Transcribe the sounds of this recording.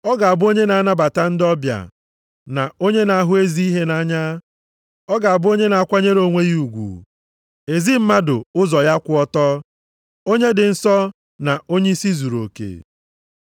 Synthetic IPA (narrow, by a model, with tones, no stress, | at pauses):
ɔ˦ɡa˨a˨bʊ˦o˦ɲe˦na˨a˦na˦ba˨ta˦n̩˦dɔ˦bja̰˨ | na˨o˦ɲe˦na˨a˦ɦʊ˦e˦zi˦i˦ɦe˦na˦ɲa˦ | ɔ˦ɡa˨a˨bʊ˦o˦ɲe˦na˨a˦˨kʷa˦ɲe˦ɾo˨ŋʷe˦ji˦u˨ɡʷṵ˨ | e˨zi˦m̩˦ma˦dʊ̰˨ʊ˦zɔ˨ja˦kʷʊ˦ɔ˦tɔ˦ | o˦ɲe˦dɪ˨n̩˦sɔ˦ | na˨o˦ɲe˦i˦si˦zu˨ɾo̰˨kḛ˨